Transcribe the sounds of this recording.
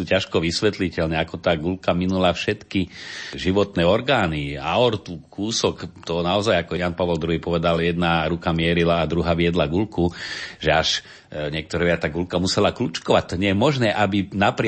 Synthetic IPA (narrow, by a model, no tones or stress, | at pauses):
uːcaʃkɔʋisʋɛt̪licɛlnɛakɔt̪aːɡulkaminulafʃɛt̪kiʒiʋɔt̪nɛːɔɾɡaːniaɔɾt̪ukuːsɔkt̪ɔnaɔzajakɔjanpaʋɔld̪ɾuɦiːpɔʋɛd̪aljɛd̪naɾukamɪɛɾilaːd̪ɾuɦaːʋɪɛd̪laɡulkuʒɛaʃ | ɲɪɛk̚t̪ɔɾɛʋɪat̪aːɡulkamusɛlaklut͡ʃkɔʋac̚t̪ːɔɲɛjɛmɔʒnɛːʔabinapɾɪ